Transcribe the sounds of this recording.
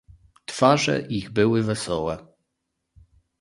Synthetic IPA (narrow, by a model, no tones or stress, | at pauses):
t̪faʐɛ̰ʔiɣbɘwɘvɛsɔwɛ